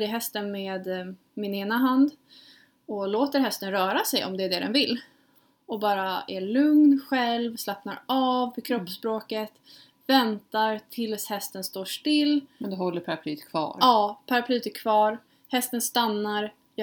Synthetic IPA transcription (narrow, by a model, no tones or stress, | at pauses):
ɾɪɦɛst̪ənmeːd̪ | mɪneːnaɦand̪ | ɔloːt̪əɾɦɛst̪ənɾœːɾasɛjɔ̰md̪ɛːɖ̪ɛɖ̪ɛ̰nvɪlː | ɔbɑːɾaæɭɵŋnɧɛlvslapnaɾɑːvːɪkʰɾɔppːspɾoːkət̪ | vɛnt̪aɾt̪ʰɪlshɛst̪ənst̪oːʂʈɪlːmnd̪ɛhɔlːəɾpʰaɾapʰly̰ːt̪kʰvɑ̰ːɾɑːpʰaɾapʰlyːt̪ɛkʰv̥ɑːɾ | hɛst̪ənst̪anːaɾ